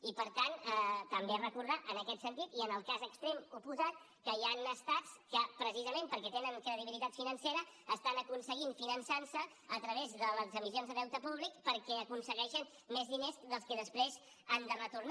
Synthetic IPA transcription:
ipəɾt̪anɛt̪əmberəkuɾðaʔənəkɛt̪sənt̪it̪iənəlˠkazəkst̪ɾemupuzat̪̚ | kəjanəst̪at͡skəpɾəsizəmẽmpəɾkɛt̪enəŋkɾəðiβilit̪at̪finənseɾəːst̪anəkunsəɣiɱfinənsansə | ət̪ɾəβ̞ezðələzəmizionzðəðɛwt̪əpuβlikpəɾkɛəkunsəɣɛʃən | mezðinezðəlˠskəðəspɾez | and̪ərət̪uɾn

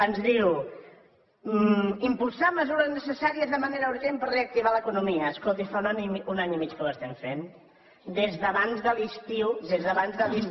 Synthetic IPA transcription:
ənzðiu | impulˠsaməzuɾəznəsəsaɾiəzðəməneɾəuɾʒempərreək̚t̪iβ̞aləkunumiəːskolˠt̪ifaunaunaɲimit͡ʃkələst̪ɛmfen | d̪ezðəβanzðəlist̪iwðezðəβanzðəlˠis

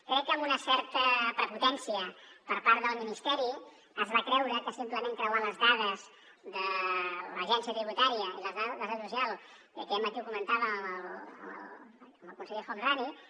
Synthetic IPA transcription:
kɾɛkːəmunəsɛɾt̪əpɾəput̪ɛnsiəpəɾpaɾt̪ðəlˠminist̪ɛɾi | əzβakɾɛwɾəkəsimpləmeŋkɾəwaləzðað̞əz | ðələʒɛnsijət̪ɾiβut̪aɾiəiləaðaðəðuzjalˠ | ə̰kɛmət̪iukumənt̪aβəməə̰l | mbəlˠkunsəʎexanrani

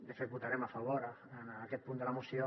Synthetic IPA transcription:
d̪əfet̪̚but̪aɾɛmafɐβ̞oɾənakɛt̪̚pund̪ələmusjo

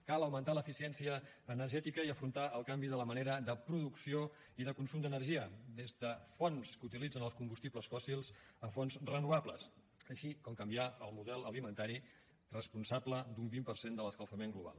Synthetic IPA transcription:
kaləwmənt̪aləfisiɛnsiəː | nəɾʒɛt̪ikəiəfɾunt̪aʔəlˠkambiðələməneɾəðəpɾuðuksio | iðəkunsumd̪ənərʒiəd̪ezðəfonskut̪ilid͡zənəlˠskumbust̪ipləsfɔsilˠzəfonzrənuβaplə̰s | əʃikɔmkəmbiaəlˠmuðɛlˠəlimənt̪aɾi | rəspunsapləd̪umbimpəɾsend̪ələskəlˠfəmeŋɡluβa̰lˠ

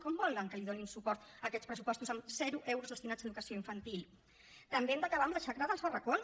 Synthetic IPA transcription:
kɔmbɔləŋkəliðoninsupɔɾt̪əkɛt̪spɾəsupɔst̪uzəmzɛɾuʔɛwɾuzðəst̪inazðəðukəsioiɱfənt̪ilˠ | t̪əmbeɛmd̪əkəβaəmləʃakɾaðəlˠzβərəkon

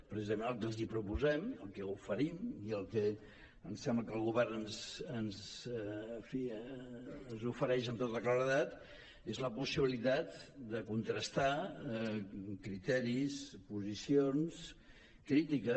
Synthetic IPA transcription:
pɾəsizəmenəlˠkənzipɾupuzɛməlˠkɛufəɾimiəlˠkɛ | ənsɛmbləkəlˠɣuβɛrnənzənzː | ɱfi | nzufəɾɛʃənt̪ot̪əklaɾəðat̪ | ezləpusiβ̞ilit̪at̪d̪əkunt̪ɾəst̪a | kɾit̪ɛɾispuzisions | kɾit̪ikə

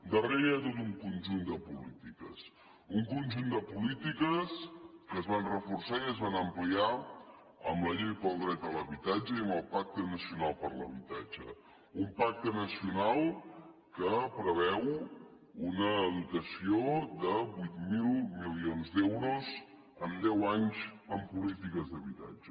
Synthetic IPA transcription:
d̪əreɾat̪ot̪uŋkunʲʒund̪əpulit̪ikəs | uŋkunʲʒund̪əpulit̪ikəskəzβanrəfursaiəzβanəmplia | əmləʎejpəlˠd̪ɾɛt̪ələβit̪ad͡ʒəiəmbəlˠpak̚t̪ənəsiunalˠpəɾləβit̪ad͡ʒə | umpak̚t̪ənəsiunalˠkəpɾəβ̞ɛw | unəːðuk̪əsiod̪əβujt̪milˠmilionzd̪ɛwɾuz | əmd̪ɛwaɲzəmpulit̪ikəzðəβit̪a̰d͡ʒə

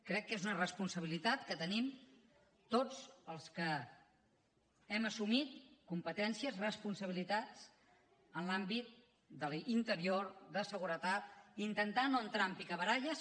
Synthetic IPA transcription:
kɾɛkːezunərəspunsəβ̞ilit̪at̪kət̪ənim | t̪od͡zəlˠskə | ɛməsumit̪̚kumpət̪ɛnsiəzrəspunsəβ̞ilit̪at͡s | ənlambit̪̚ | d̪əlint̪əɾioɾðəsəɣuɾət̪at̪̚int̪ənt̪anoənt̪ɾampikəβəɾaʎəs

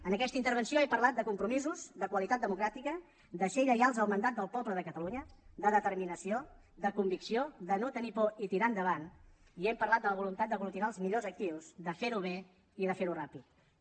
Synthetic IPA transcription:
ənəkɛst̪əint̪əɾβ̞ənsioɛmpəɾlat̪̚d̪əkumpɾumizuzd̪əkwəlit̪at̪̚d̪əmukɾat̪ikə | d̪əseiʎəjalˠzəlˠmənd̪at̪̚d̪əlˠpɔβləðəkət̪əluɲəd̪əðət̪əɾminəsio | d̪əkumbiksioðənot̪ənipɔit̪iɾand̪əβan | iɛmpəɾrlat̪̚d̪ələβulunt̪at̪̚d̪əɣulut̪inaəlˠzmiʎozək̚t̪iwzd̪əfeɾuβ̞e | iðəfeɾurapit̪

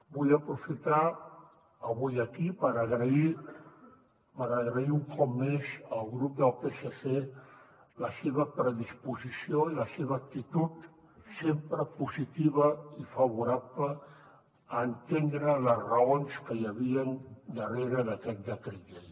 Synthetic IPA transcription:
buʎəpɾufit̪a | əβujəkipəɾəɣɾəi | pəɾəɣɾəiuŋkɔp̚mezəlˠɣɾup̚d̪əlˠpesəse | ləseβəpɾəðispuzisioiləseβəːk̚t̪it̪ut̪ | sempɾəpuzit̪iβ̞əifəβuɾapləː | nt̪end̪ɾələzrəonskəjəβiənd̪əreɾəðəkɛt̪̚d̪ək̪ɾiʎe

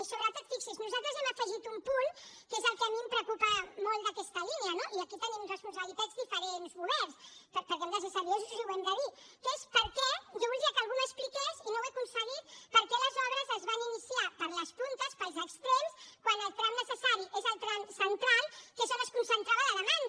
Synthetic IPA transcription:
lˠsurat̪ət̪fikseznuzalˠt̪ɾəzɛməfəʒit̪umpunkezəlˠkəmimpɾokupəmolˠd̪əkɛst̪əliniɐnoʔiəkit̪ənimunrəspuns̬əβlit̪adzd̪ifəɾenzmuðɛɾspəɾpəɾkemnəsəsaɾiezuʒuwɛnd̪əðit̪espəɾkɛʒɔwβulˠd̪iɐkəːlˠɣuməsplikezinowɛkunsəɣit̪pəɾkɛləzɔβɾəzəzβaninisiapəɾləspunt̪əspəlˠzəkst̪ɾenskwanəlˠt̪ɾanːəsəsaɾiʔezəlˠt̪ɾansənt̪ɾalˠkeʒɔnəskunsənt̪ɾaβəðəðəman

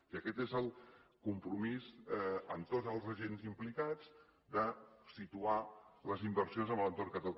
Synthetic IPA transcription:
iəkɛt̪ezəlˠkumpɾumizənt̪ozəlˠzəʒenzimplikad͡z | d̪əsit̪ualəzimbəɾsionzəmblənt̪orkət̪əl

